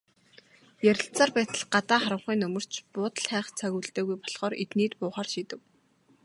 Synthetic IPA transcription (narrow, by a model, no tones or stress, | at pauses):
jæɾʲɪ̆ɬt͡saːrpæːt̪ə̆ɮɢat̪aːχaɾə̆ɴχiːnɵmɵ̆r̥t͡ɕʰpʊːt̪ə̆ɮχæːχt͡sʰæɣʲuːɮt̪eːɣujpɔɮχɔːɾet̪niːt̪pʊːχaːrʃiːt̪ɘ̆w